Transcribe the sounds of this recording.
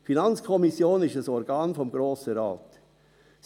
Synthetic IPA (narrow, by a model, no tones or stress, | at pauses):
finɑnt͡skʰɔmɪsjoːnɪʃəsɔɾɡ̥ɑːnfɔmɡɾoːsəɾa̰ːt | s